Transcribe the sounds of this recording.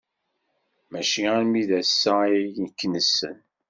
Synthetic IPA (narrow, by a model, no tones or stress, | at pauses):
mæʃiæɾmiðæsːæjnəkːnəsːə̰n